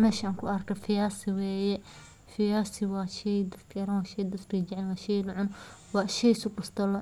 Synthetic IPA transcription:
mɛːʃaːŋkʰʊʔɐrkʰɐfɪjaːsɪwɛːjɛ | fɪjaːsɪwɑːʃɛjd̪ɐkʰɐɾɐnwɑːʃɛjd̪ɐsrid͡ʒɪʕɛlwɑːʃɛjnʊʕʊn | wɑːʃɛjsʊkʊst̪ɐlɔ

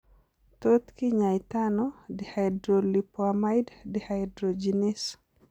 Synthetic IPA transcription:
t̪ot̪kiɲajt̪anɔdihajdɾolipoamajddihajdɾod͡ʒinis

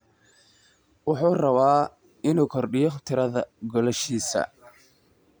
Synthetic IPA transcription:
wʊħuːrɐβaː | ɪnuːkʰɔrɖɪjɔχt̪ʰɪɾɐðɐɡɔlɛʃiːsɐ̰

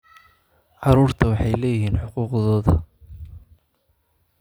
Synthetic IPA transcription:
ʕɑɾuːrt̪ʰɐwɑħɑjlɛːjɪɦiːnħʊquːqðɔːðɐ

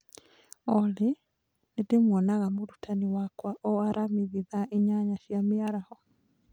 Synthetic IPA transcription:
ɔle | nedemwɔnaɣamoɾutʰaniwakwaʔɔaɾamiβiðaʔeɲaɲaʃjamiaɾahɔ

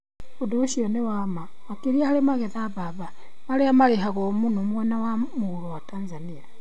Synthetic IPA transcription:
udoʃionewama | akiɾiahalimaɣeθaβaβa | maleamalexaɣomunomwenawamuɣulowataːnzania

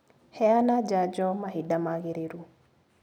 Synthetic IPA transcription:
hɛanad͡ʒad͡ʒɔmaɦidamaɣeɾeɾu

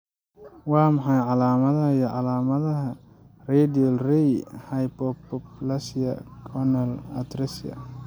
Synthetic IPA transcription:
wɑːmɑħɑjʕɑlaːmɐðɐɦɐijɔʕɑlaːmɐðɐɦɐ | rɛːd̪iɔlrɛjhɐjpɔpɔplɐsɐ̰kʰɔnɐlɐ̰t̪ɾɛsjɐ̰

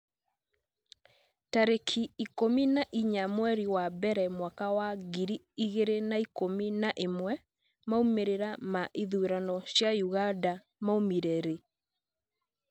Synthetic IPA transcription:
taɾekʰiikominaʔiɲamwɛɾiwabɛɾɛmwakawaɣiɾi | iɣeɾenaikominaʔemwɛ | maumeɾeɾamaʔiðuɾanɔɕjajuɣada | maumiɾɛɾe

